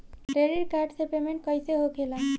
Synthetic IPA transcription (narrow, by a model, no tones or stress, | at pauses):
ɖeɾiɾkaɾɖsepemeɳʈ̚kɔjseɦokʰilan